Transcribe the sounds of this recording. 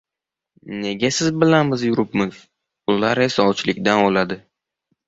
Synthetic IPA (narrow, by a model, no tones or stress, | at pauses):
ne̞ɡʲasɪzbɪlanbɪzjʊɾɪpmɪz̥ | ʊlaɾesaɒwt͡ʃʰlɪkʲd̪anolad̪ɪ